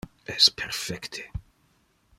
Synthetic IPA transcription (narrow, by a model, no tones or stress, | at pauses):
ɛspʰɛɾfɛkt̪ʰe̥